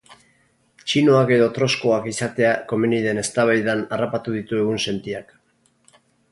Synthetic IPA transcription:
t͡ʃino̞ake̞ðo̞t̪ɾo̞sko̞akisat̪e̞ako̞miniðe̞ne̞st̪aβ̞ajðanarapat̪uðit̪ue̞ɣ̞unse̞nt̪iak

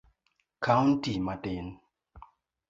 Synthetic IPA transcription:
kʰawn̩timaten

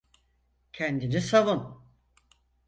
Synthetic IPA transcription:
cʰɛnd̪inisavun

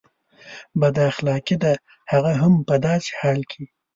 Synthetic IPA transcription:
bad̪axlɑkid̪a | haɣaɦampad̪ɑːt͡ʃhɑːlkʰi

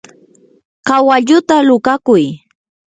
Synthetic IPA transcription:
kawaʎʊt̪alʊkakʊj

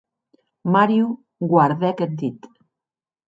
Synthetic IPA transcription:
maɾju | ɡwaɾðɛkend̪it̪

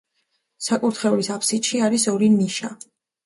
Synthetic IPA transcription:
sakʼuɾt̪ʰχɛulisapʰsit̪ʃiaɾisɔɾiniʃa

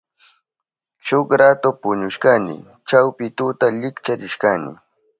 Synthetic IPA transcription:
ʃokɾat̪ʊpʊɲʊʃkanɪ̰ | t͡ʃawpɪt̪ʊt̪aʎɪkt͡ʃaɾɪʃkanɪ̰

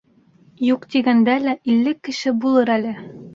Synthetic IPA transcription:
juqt̪iɡænd̪ælæʔilːɘkːɘ̆ʃɘbulˠɤɾælɘ

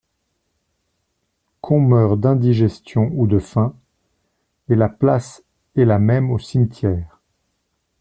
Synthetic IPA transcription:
kʰɔ̃mœʁd̪ɛ̃d̪iʒɛst̪jɔ̃ud̪əfɛ̃ | elaplas | ɛlamɛmosimt̪jɛːʁ

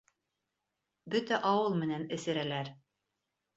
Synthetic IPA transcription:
bɵt̪æʔɑwɤlˠmɘ̆nænɘ̆sɘ̆ɾælæɾ

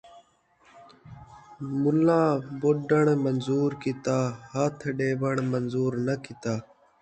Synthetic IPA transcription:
mʊlãːboɖəɳmənzuːɾkɪt̪aːhat̪ʰɖeːʋəɳmənzuːɾnəkɪt̪aː

